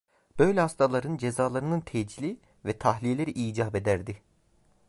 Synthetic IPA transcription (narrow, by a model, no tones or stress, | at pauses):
b̥ø̞jlʲɛhast̪ʰalˠaɾɯnd͡ʒezaːlˠaɾɯnɯnt̪ʰɛd͡ʒilʲi | vɛt̪ʰaɦlʲijelʲe̞ɾiʔiːd͡ʒaːbe̞d̪æɾd̪ɪ